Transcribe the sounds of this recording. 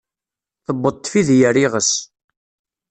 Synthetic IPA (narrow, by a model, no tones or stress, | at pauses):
θəbːət̪ːfiðjəɾiʁəs